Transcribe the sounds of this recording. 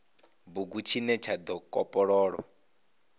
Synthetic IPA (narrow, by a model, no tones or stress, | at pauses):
buɡut͡ʃʰinɛt͡ʃʰad̪ɔkʼɔpʼɔɺɔːɺɔ